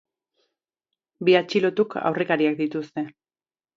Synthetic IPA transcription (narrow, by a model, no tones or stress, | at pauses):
biat͡ʃilo̞t̪ukʰa̰wre̞kaɾiak̚d̪it̪ust̪e̞